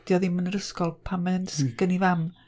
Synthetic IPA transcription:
d̥jɔðimənəɾəskɔlˠpʰamɛnsɡ̥ənivam

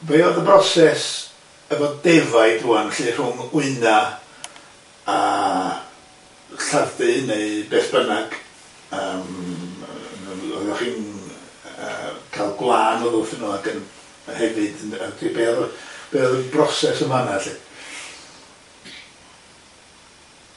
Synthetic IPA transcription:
vejɔðəbrɔsɛs | əvɔdɛvaɨdruːanaɬir̥ʊŋʊɨna | a | ɬarðɨneɨbeːθb̥ənaɡ̥ | əːm | nɔ̰ðɔχiːn | ə̰kʰajlˠɡlˠaːnɔðˠʊθənɔaɡən | hɛvɨdadʰibeːlb̥eːlbrɔsɛsəmanaɬɨ

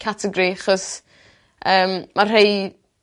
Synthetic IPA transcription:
kʰatʰəɡɾiaχɔs | ʔəːmmar̥ej

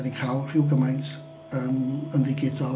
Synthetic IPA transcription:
dikʰaːwˠr̥ɪwɡəmajntʰ | əːmənvɪɡɪdɔ

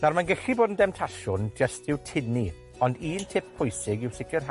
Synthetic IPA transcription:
narmanɡəɬiboːdən̩dɛmtʰaʃʊnd͡ʒəstɪwtʰɪni | ɔndiːntʰɪp̚pʰːʊjsɪɡɪwsɪkʰərɦa

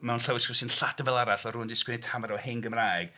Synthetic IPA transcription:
mɛwnɬawɪskɔsɪnɬadəvɛlˠaɾaɬɔɾuːndɪskwɪnɪtʰamaɾɔhɪnɡəmrajɡ̥

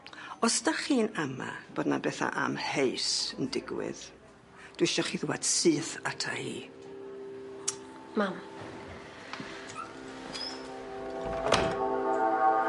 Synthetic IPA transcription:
ɔsdaχiːnama̰b̥oːdnabɛθa̰ʔamheɨsəndɪɡwɪ̰ð | d̥wɪʃɔχiðɪwad̥sɨːθatʰahḭː | mam

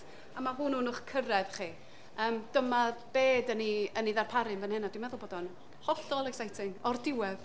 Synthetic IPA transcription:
amaɦununʊχkʰəɾɛvχiː | əːmd̥əmab̥eːdəniəniðarpʰaɾɨnvənhɛnadwɪmɛðʊlˠboːdɔn | hɔɬɔlˠɛɡsajtʰɪŋɔrdɪwɛð

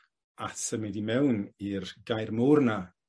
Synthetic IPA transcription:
atʰəmɪdimɛwnirɡajrmurna

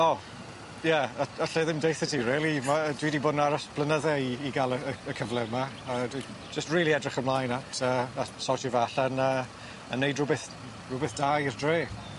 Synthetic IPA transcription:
ɔ | jɛəəɬɛðɪmdejθətʰiɹiːlˠimadwiːdiboːdnaɾasb̥lˠənəðɛiːɡalˠəəəkʰəvlˠɛma | ədwi | d͡ʒəstriːlˠiɛdrɪχəmlˠaːjnatʰəːasɔtʰəvaaɬɛnə | ənːejdrʊbɛθ | rʊbɛθd̥ajrdreː

